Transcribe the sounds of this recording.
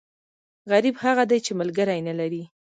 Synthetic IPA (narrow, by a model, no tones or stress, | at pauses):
ɣaɾibhaɣad̪ajt͡ʃeməlɡəɾajnalaɾi